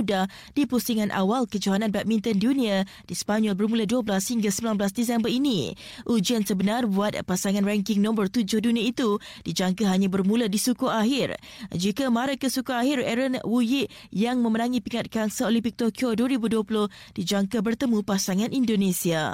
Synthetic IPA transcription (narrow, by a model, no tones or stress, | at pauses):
udah | d̥ipusiŋãnʔa̰walkəd͡ʒaɦanãnbɛt̚mint̪əndunia | d̥ispaɲɔlbərmũladuəbəlashiŋɡasəmbilanbəlasdisɛmbərini | ʔud͡ʒiansəbənarbuat̪̚pasaŋãnrɛŋkɪŋnɔ̃mbərt̪ud͡ʒʊhdunĩait̪u | d̥id͡ʒaŋkaɦaɲãbərmũladisukuaɦɪr | d͡ʒikamaɾakəsukuaɦɪrɛɾənwujiʔ | jaŋmə̃mənaŋĩpiŋat̪̚kansəolimpɪk̚t̪okioduəɾibuduəpulʊh | d̥id͡ʒaŋkabərt̪əmũpasaŋãnʔindonesia